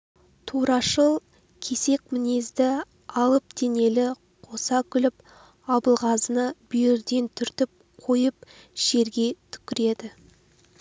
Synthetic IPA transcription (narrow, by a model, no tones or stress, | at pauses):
t̪ʰuɾɑʃəlˠ | kʲʰe̞se̞k̚ʲmɪne̞zd̪ɪ | ɑlˠəp̚d̪e̞ne̞lɪ | qʰo̞sɑkʲʰʏlɪp̚ | ɑbəlˠʁɑzənəbʏjɾd̪e̞nt̪ʰʏɾt̪ɪp̚ | qʰo̞jəp̚ | ʃe̞ɾɡʲe̞t̪ʰʏ̥kʲɪɾe̞d̪ɪ